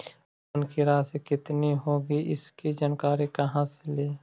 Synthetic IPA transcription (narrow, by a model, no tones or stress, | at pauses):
ʊnkiɾaːsekɪt̪niɦoːɡiʔɪskid͡ʒənkaːɾikɐɦãseleː